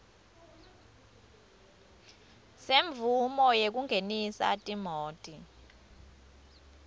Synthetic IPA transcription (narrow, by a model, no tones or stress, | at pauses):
seɱvʱumɔjek̬uŋʱenisa̰tʼimoːtʼi